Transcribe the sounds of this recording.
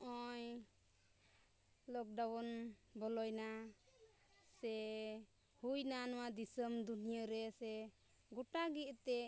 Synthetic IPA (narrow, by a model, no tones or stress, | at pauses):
ɔj | lɔk̚ɖawɔnbɔlɔjna | sɛ | hujnanɔwad̪isəmd̪unijəɾɛsɛ | ɡɔʈaɡiʔt̪ɛ